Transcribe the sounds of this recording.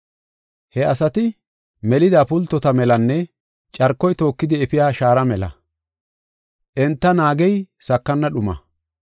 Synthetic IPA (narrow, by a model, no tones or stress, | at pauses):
hɛɐsɐt̪ɪ | mɛlɪd̪aːpʊlt̪ːɔt̪ɐmɛlɐnːɛ | t͡ʃʼɐɾkːɔjt̪o̞ːkːɪd̪ɪɛfɪjaːʃaːɾɐmɛlɐ̰ | ʔɛnt̪ːɐnaːɡɛjsɐkːɐnːɐɗʊmɐ̰